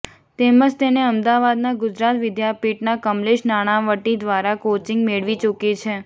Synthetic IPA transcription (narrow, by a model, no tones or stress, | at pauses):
t̪eməd͡ʒt̪eneəmd̪aʋad̪naɡʊd͡ʒɾat̪ʋɪd̪japiʈnakəmleʃnaɽ̃aʋəʈid̪ʋaɾakot͡ʃɪ̃ŋɡmeɭʋit͡ʃukit͡ʃʰe